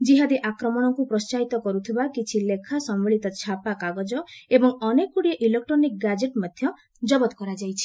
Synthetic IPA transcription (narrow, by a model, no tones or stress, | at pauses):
d͡ʒiɦad̪iʔakɾɔmɔɽ̃ɔkupɾɔst͡ʃaɦit̪ɔkɔɾut̪ʰibakit͡ʃʰilekʰasɔmːeɭit̪ɔt͡ʃʰapakaɡɔd͡ʒɔebɔŋɔnekuɽieʔilek̚ʈɾɔnik̚ɡad͡ʒeʈmad̪ʱjɔ | d͡ʒɔbɔt̪kɔɾad͡ʒajt͡ʃʰi̥